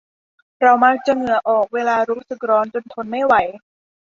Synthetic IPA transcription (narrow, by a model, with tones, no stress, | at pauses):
ɾa˧wmaː˧˥k̚t͡ɕa˨˩ŋɯ˩˦ɐʔɔː˨˩k̚weː˧laː˧ɾuː˦˥sɯ˨˩k̚ɾɔː˦˥nt͡ɕo˧nt̪ʰo˧nma˥˩jwa˨˦j